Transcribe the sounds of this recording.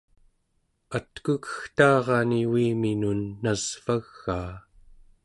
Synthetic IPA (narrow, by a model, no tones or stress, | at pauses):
at̪kukə̥xt̪ɑːʁɑniwiːminunːaz̥v̥aɣːaː